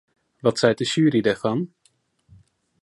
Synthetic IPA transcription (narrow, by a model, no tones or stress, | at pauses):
ʋɑtsɛjt̚dəʃyːɾidɛɹfɑn